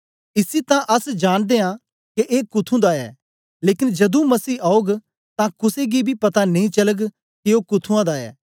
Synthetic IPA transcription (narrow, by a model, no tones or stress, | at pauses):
ɪsit̪ãʔɐsd͡ʒaːɽ̃d̪eːã | keʔeːkʊt̪ʰũd̪aɛ̰ː | leːkɪnd͡ʒɐd̪ũmɐsiːaːoːɡ | t̪ãkʊseɡibʱipɐt̪anɐĩt͡ʃɐləɡ | keoːkʊt̪ʰũãd̪aɛ̰ː